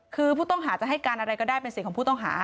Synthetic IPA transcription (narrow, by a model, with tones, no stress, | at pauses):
kʰɯː˧pʰuː˥˩t̪ɔ˥˩ŋɦaː˩˦t͡ɕa˨˩ʔɦa˥˩jkaː˧nʔa˧ɾa˧jkɔː˥˩daː˥˩jpe˧nsi˨˩kʰɔː˨˩˦pʰuː˥˩t̪ɔ˥˩ŋɦa̰ː˩˦